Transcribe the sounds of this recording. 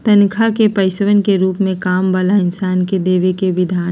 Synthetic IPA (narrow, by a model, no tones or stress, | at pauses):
t̪ɐnkʰakepɐɪsʋənkeɾuːpmẽkaːmbəlaɪnsaːnked̪eːʋekeʋɪd̪ʱaː